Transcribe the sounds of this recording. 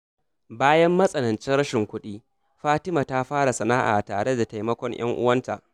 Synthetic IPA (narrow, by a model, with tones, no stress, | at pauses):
baː˦jɐ˦mːɐ˦sʼɐ˨nɐ˨nt͡ʃɪ˦nɽɐ˦ʃɪ˨ŋkʷʊ˦ɗiː˦ | ɸaː˦tɪ˦maː˨ta˦ɸaː˦ɽa˨sɐ˨naː˦ʔa̰ː˨taː˨ɽe˦da˨ta˨jmɐ˦kʷɔ˦ɲj̰ɐ̰˦ŋʔʊ̰˦wɐ˦nta̰˨ʔ